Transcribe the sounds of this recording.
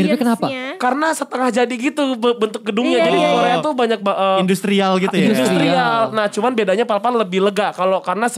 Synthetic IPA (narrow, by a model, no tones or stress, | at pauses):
iɾpɛkənapakaɾənasət̪əŋahd͡ʒadiɡit̪ubbənt̪ʊk̚ɡədʊŋɲad͡ʒadioɾaat̪ubaɲak̚ʔəːindust̪ɾialɡit̪ujusɾialnaht͡ʃumanbedaɲapalpanləbɪhləɡaʔkalokarənas